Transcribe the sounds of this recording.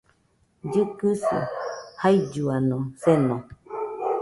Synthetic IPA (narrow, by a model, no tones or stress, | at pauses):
d͡ʒɨkɨsɨ̰hajd͡ʒuanõsenõ